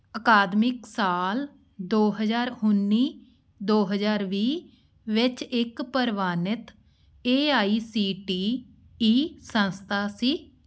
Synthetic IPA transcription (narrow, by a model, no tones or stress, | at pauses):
əkaːd̪mɪksaːl | d̪oːɦəd͡ʒaːɾɦʊnːiː | d̪oːɦəd͡ʒaːɾʋiː | ʋɪt͡ʃɪkpəɾʋaːnɪt̪ | eːaːiːsiːʈiː | iːsə̃nst̪ʰaːsiː